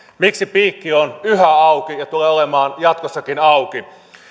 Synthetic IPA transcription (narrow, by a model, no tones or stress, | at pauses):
miksipiːkːionyɦæɑukijɑt̪uleːolemɑːnjɑt̪̚kosːɑkinɑuki